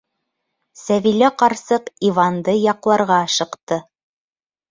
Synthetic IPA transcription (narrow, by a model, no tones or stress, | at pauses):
sævilæqɑɾsɤqivɑnd̪ɤjɑqlˠɑɾʁɑʃɤ̆qt̪ɤ